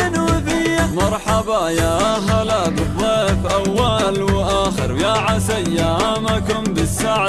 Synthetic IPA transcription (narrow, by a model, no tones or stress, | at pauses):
nuːðɪjːamɑɾˤħɑbajaaɦalabɨðˤːɑːʔɪfʔawːalwʔaːxɪ̰ɾjaʕasajːaamakʊmbɪsːaʕa